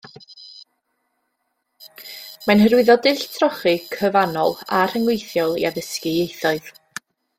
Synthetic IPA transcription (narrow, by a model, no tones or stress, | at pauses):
manhəɾwɨðɔdɪɬtʰrɔχɨkʰəvanɔ̰lˠar̥əŋwejθjɔlˠḭaðəskɨejθɔɨð